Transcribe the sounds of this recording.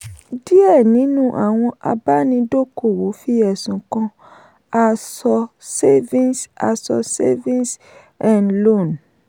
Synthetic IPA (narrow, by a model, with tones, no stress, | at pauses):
di˦ɛ˦˨nĩ˨˦nũ˦ʔa̰˦˨w̃ɔ̃˧ʔa˧ba˦nĩ˧do˦ko˦˨wo˨˦fi˦ɛ˨sũ˨kɔ̃˧ | a˧sɔ˧se˦vĩ˦nsa̰˧sɔ̰˧sḛ˦vĩ˦ns | ã˨nlo˦˨n